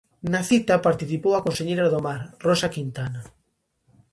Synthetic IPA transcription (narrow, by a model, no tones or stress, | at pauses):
naθit̪apaɾt̪iθipowakonseɲejɾaðomaɾrɔsakint̪ana